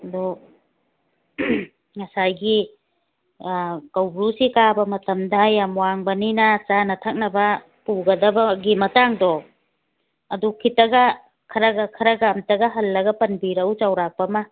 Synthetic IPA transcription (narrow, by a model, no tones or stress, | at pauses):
ɐdu | ŋɐsajɡi | kawbɾusikabɐmɐtɐmdɐjamwaŋbɐninat͡ʃanɐtʰak̚nɐbɐ | puɡɐdɐbɐɡimɐtaŋdɔ | ɐdukʰitɐɡa | kʰɐɾaɡakʰɐɾaɡamtɐɡaɦɐlːɐɡɐpɐnbiɾɐwt͡ʃawɾak̚pɐma